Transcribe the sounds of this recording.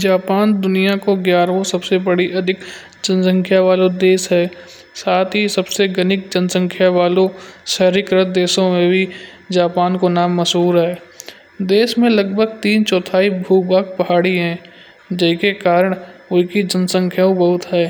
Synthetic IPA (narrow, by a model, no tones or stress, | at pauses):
d͡ʒaːpaːnd̪ʊnijakoɡjaːɾõsɐbsebɐɽiʔɐd̪ʱɪk | d͡ʒənsə̃ŋkʰjaʋaːlod̪eːʃɦɛː | saːt̪ʰɦisɐbseɡɐnɪk̚d͡ʒənsə̃ŋkʰjaʋaːloʃɛɦɾɪkɾət̪̚d̪eːʃõmẽbʱi | d͡ʒaːpaːnkonaːmːɐsɦuːɾɦɛː | d̪eːʃmẽlɐɡbʱəɡ̚t̪iːnt͡ʃɔːt̪ʰaːibʱuːbaːk̚pɐɦaːɽiɦɛ̃ | d͡ʒɛːkekaːɾəɽ̃ʊkid͡ʒənsə̃ŋkʰjaõbɐɦʊt̪ɦɛː